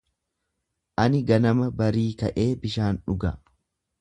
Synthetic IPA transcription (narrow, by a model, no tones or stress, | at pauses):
ʔɐnɪɡɐnɐmɐbɐɾiːkɐʔe̞ːbɪʃaːnᶑʊɡɐ